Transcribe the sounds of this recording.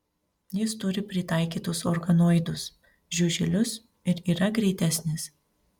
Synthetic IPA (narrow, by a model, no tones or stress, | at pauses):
jɪst̪ʊɾʲɪpʲɾʲɪt̪ɐˑɪkʲiːt̪ʊsɔɾɡɐnoːjd̪ʊs | ʒʲʊʒʲɪlʲʊs | ɪɾiːɾɐɡɾʲɛɪt̪ʲæsʲnʲɪs